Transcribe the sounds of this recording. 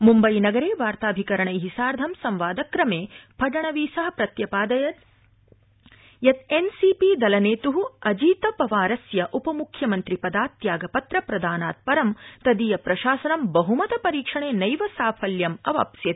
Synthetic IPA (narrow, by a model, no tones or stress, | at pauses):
mumbɐjnɐɡɐɾeːʋaːɾt̪aːbʱikɐɾɐɳɐjɦisaːɾd̪ʱɐmsɐmʋaːd̪ɐkɾɐmeːpʰɐɖɐɳɐʋiːsɐɦɐpɾɐt̪jɐpaːd̪ɐjɐt̪ | jɐt̪ensipid̪ɐlɐneːt̪uɦuɐd͡ʒiːt̪ɐpɐʋaːɾɐsjɐʔupɐmukʰjɐmɐnt̪ɾipɐd̪aːt̪jaːɡɐpɐt̪ɾɐpɾɐd̪aːnaːt̪̚pɐɾɐmt̪ɐd̪ijɐpɾɐʃaːsɐnɐmbɐɦumɐt̪ɐpɐɾiːkʂɐɳeːnɐjʋɐsaːpʰɐljɐmɐʋa̰ːpsjɐt̪